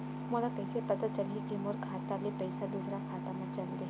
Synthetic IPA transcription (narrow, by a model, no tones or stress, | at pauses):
məlakəjsepət̪at͡ʃəlɦikimoɾkʰat̪alipəjsad̪usɾakʰat̪amɐt͡ʃənd̪e